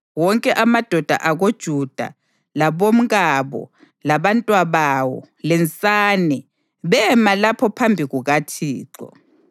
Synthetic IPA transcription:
wɔŋkʼɛʔamad̥ʱɔd̥ʱa̰ʔaɣod̥ʒ̥ʱud̥ʱa̰ | laβom̩ɣaβɔ̰ | laβantʼwaβawɔ̰ | lɛnt͡sʼaːnɛ | βɛmalapʰɔpʰambʱiɣuɣatʰiːǃɔ̰

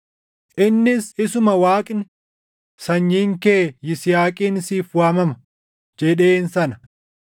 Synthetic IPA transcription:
ʔɪnːɪsɪsʊmɐwaːkʼnɪ | sɐɲːiːŋkeːjɪsɪjaːkʼiːnɪsiːfwaːmɐmɐ | d͡ʒɛᶑeːnsɐnɐ

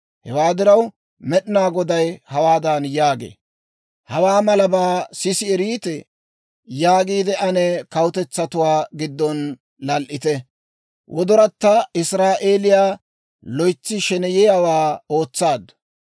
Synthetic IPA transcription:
hɛwaːd̪ɪɾɐw | mɛɗɪnaːɡɔd̪ɐjhɐwaːd̪ɐnjaːɡḛː | hɐwaːmɐlɐbaːsɪsɪɛɾiːt̪ɛ | jaːɡiːd̪ɛʔɐnɛkɐwʊt̪ɛt͡sːɐt̪ʊwaːɡɪd̪ːɔn | lɐlʔɪt̪ɛ | wʔɔd̪ɔɾɐt̪ːɐɪsɾaːʔeːlɪjaː | lɔjt͡sːɪʃɛnɛjɛjawaːo̞ːt͡sːaːd̪ɐ

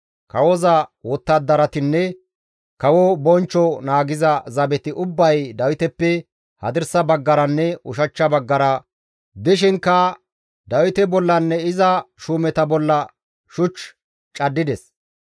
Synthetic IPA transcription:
kɐwɔzɐwɔt̪ːɐd̪ːɐɾɐt̪ɪnːɛ | kɐwɔbɔnt͡ʃːɔnaːɡɪzɐzɐbɛt̪ɪʔʊbːɐjd̪ɐwɪt̪ɛpːɛ | hɐ̰d̪ɪɾsɐbɐɡːɐɾɐnːɛʊʃɐt͡ʃːɐbɐɡːɐɾɐ | d̪ɪʃ̬ɪŋkːɐ | d̪ɐwɪt̪ɛbɔlːɐnːɛɪzɐʃuːmɛt̪ɐbɔlːɐ | ʃʊt͡ʃ | t͡ʃʼɐd̪ːɪd̪ɛs

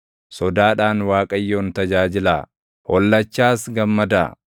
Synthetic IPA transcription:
sɔd̪aːᶑaːnwaːkʼɐjːoːnt̪ɐd͡ʒaːd͡ʒɪla̰ː | hɔlːɐt͡ʃːaːsɡɐmːɐd̪a̰ː

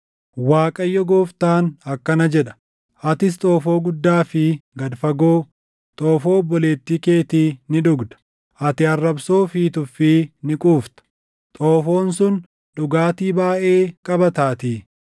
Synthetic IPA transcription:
waːkʼɐjːɔɡoːft̪aːnɐkːɐnɐd͡ʒɛᶑɐ̥ | ʔɐt̪ɪs̬t̪ʼo̞ːfo̞ːɡʊd̪ːaːfɪɡɐd̪fɐɡoː | t̪ʼoːfo̞ːbɔle̞ːt̪ːiːke̞ːt̪iːnɪᶑʊɡd̪ɐ̥ | ʔɐt̪ɪɐrːɐbso̞ːfiːt̪ʊfɪnɪkʼuːft̪ɐ̥ | t̪ʼoːfo̞ːnsʊn | ɗʊɡaːt̪iːbaːʔeːkʼɐbɐt̪aːt̪iː

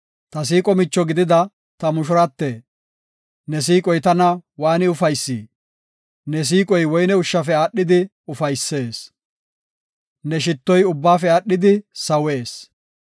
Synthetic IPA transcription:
t̪ɐs̬iːkʼɔmɪt͡ʃːɔɡɪd̪ɪd̪ɐ | t̪ɐmʊʃʊɾɐt̪ːe | nɛsiːkʼɔjt̪ɐnɐwaːnɪʊfɐjsːḭː | nɛs̬iːkʼɔjwɔjnɛʊʃːɐfɛaːɗːɪd̪ɪ | ʊfɐjsːe̞ːs | nɛʃ̬ɪt̪ːɔjʊbːaːfɛaːɗːɪd̪ɪsɐwe̞ːs

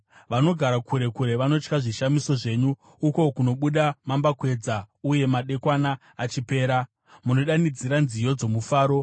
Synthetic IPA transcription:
ʋano̞ɡʱaɾakʰuɾe̞kuɾe̞ʋano̞t͡ʃkaʐiʃamiso̞ʐe̞ɲuː | ko̞kuno̞ɓuɗamambakwe̞d͡zauje̞maɗe̞kwanaː | t͡ʃipe̞ːɾa | muno̞ɗanid͡ziɾanzijo̞d͡zo̞mufaːɾo̞

